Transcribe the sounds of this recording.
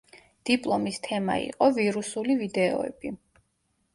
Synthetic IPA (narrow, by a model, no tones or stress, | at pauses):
d̪̥ipʼlˠɔmist̪ʰɛma̰ḭqʼɔviɾusulivid̪ɛɔ̰ɛ̰b̥i